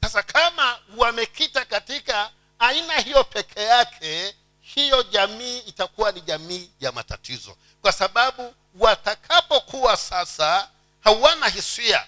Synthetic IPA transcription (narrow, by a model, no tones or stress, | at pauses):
sasakʰamawamɛkitakatikaː | inahijɔpʰɛkʰɛjakʰɛ | hijɔʄamiːtakuwaniʄamiːjama̰ta̰tizɔ̰ | kwasaɓaɓu | watakʰapɔkʰuwasasa | hawanaɦisia̰